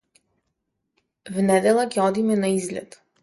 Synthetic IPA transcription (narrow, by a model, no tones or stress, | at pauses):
vnɛd̪ɛlˠakʲɛɔd̪imɛnaizlʲɛ̰t̪